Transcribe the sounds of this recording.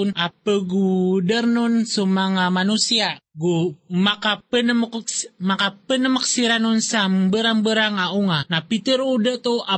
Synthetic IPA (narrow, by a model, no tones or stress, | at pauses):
nʔapəɡudərnunsumaŋamanusiaɡumakapənəmmakapənəməksiɾanunsambəɾaŋbəɾaŋauŋanapit̪iɾudət̪oa